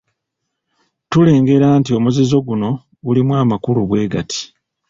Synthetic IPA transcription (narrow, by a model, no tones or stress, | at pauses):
tule̞ːŋɡe̞ɾaːntio̞muzizo̞ɡuno̞ | ulimwaːmakuluβwe̞ːɡati̥